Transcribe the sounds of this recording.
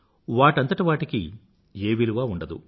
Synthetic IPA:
ʋaːʈɐnt̪ɐʈiʋaːʈikḭ | eːʋiluʋaːuɳɖɐd̪ṵ

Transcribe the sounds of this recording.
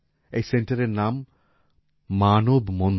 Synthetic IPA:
ejsenʈɐɾeɾnam | anobmɔn

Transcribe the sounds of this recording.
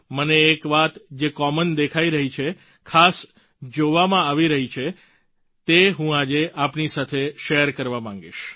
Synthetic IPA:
məneːkʋat̪d͡ʒekɔmənd̪ekʰaiɾəɦit͡ʃʰe | kʰas | d͡ʒoʋamãaʋiɾəɦit͡ʃʰe | t̪eɦũad͡ʒeʔapnisat̪ʰeʃeəɾkəɾʋamãŋ̆ɡḭʃ

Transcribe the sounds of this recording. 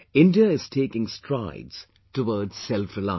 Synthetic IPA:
ɪ̃ndiəɪz̥tʰeːkɪ̃ŋstʰɹaɪdz̥ | təwɔːdz̥sɛlfɹɪla̰

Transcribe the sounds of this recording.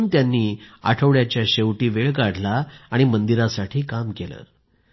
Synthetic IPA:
nt̪janːiːa̰ʈʰəʋɭjat͡ɕjaɕeʋʈiːʋeɭkaɽ̤laːɽ̃imənd̪iɾasaʈʰiːkamkelə̰ɾ

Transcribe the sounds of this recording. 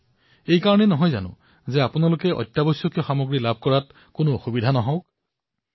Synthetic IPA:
ejkaɹɔnɛnɔɦɔjza̰nʊ̰̃ | zɛapʊnalʊkɛʔɔ̰jtːjabojsɔkjɔxamoɡɹilab̚ʱkɔɹat | kʊnoxubidʱanɔɦɔ̃wk

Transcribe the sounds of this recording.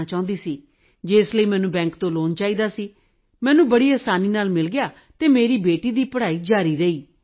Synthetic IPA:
t͡ʃaːʊ̃nd̪iːsiː | d͡ʒeɪsləiːmɛ̃ːnũːbɛ̃ːŋkt̪õːloːnt͡ʃaːiːd̪aːsiː | mɛːnũːbəɽiːaːsaːniːnaːlmɪlɡɪjaː | t̪eːmeːɾiːbeːʈiːd̪iːpəɽaːiːd͡ʒaːɾiːɾəiː

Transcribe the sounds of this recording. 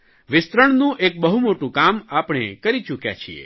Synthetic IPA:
ʋɪst̪ɾəɳ̃nũʔek̚bəɦumoʈũkamapɽ̃ḛkəɾit͡ʃukja̰t͡ʃʰiḛ

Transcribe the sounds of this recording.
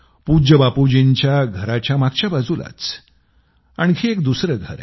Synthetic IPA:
pud͡ʑəbapud͡ʑiɲt͡ɕjaɡʱəɾat͡ɕjamaɡ̚t͡ɕjabad͡zula̰t͡s | aɳ̃kʰiek̚d̪usɾəɡʱə̰ɾɛ

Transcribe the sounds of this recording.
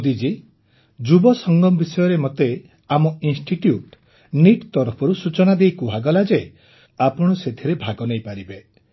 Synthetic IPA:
d̪id͡ʒi | d͡ʒubɔsɔŋɡɔmɔbisɔjɔɾemɔt̪e | amɔinsʈiʈjuʈ | niʈt̪ɔɾɔpʰɔɾusut͡ʃɔnad̪ejkuɦaɡɔlad͡ʒe | apɔɽ̃ɔset̪ʰiɾebʱaɡɔnejpaɾibe

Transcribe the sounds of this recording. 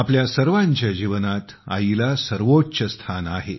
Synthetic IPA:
apljasəɾʋaɲt͡ɕjad͡ʑiʋənat̪ | a̰ilasəɾʋoɕəst̪ʰanaɦe

